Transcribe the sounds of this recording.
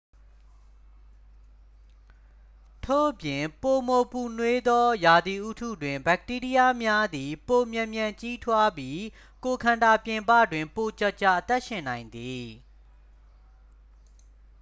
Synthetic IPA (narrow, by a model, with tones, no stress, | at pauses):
tʰo̰˦˨ʔəpjɪ̃˨po˨mo˨pu˨nwe˦d̪ɔ˦ja˨d̪i˨ʔu˦tʰṵ˦˨dwɪ̃˨mba˦k̚ti˦ɹi˦ja˦mja˦d̪i˨po˨mjã˨mjã˨ɲt͡ɕi˦tʰwa˦bji˦ | ko˨kʰã˨nda˨pjɪ̃˨mpä̰˦˨dwɪ̃˨mpo˨t͡ɕa˦˨ʔt͡ɕa˦˨ʔət̪ɛ˦ʔʃɪ̃˨nã˨ɪ̃nd̪i˨